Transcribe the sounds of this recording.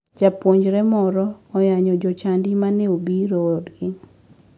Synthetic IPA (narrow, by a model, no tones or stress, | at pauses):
d͡ʒapwoɲd͡ʒɾɛmɔɾɔɔjaɲɔd͡ʒɔt͡ʃandimaneobiɾoodɡɪ